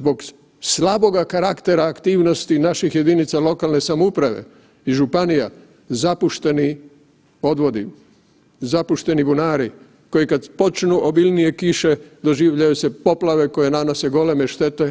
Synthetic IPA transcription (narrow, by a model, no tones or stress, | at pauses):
zbo̞ɡ | slabo̞ɡakaɾakt̪e̞ɾaːkt̪iːʋno̞st̪inaʃixje̞d̪init̪salo̞kalne̞samoupɾaʋe̞̰ | iʒupanija | zapuʃt̪e̞ni | o̞d̪ʋo̞d̪i | zapuʃt̪e̞nibunaːɾi | ko̞jikad̪po̞t͡ʃnuʔobilnije̞kiʃe̞d̪o̞ʒiːʋʎajuse̞po̞plaʋe̞ko̞je̞nanose̞ɡo̞le̞meʃt̪e̞t̪e̞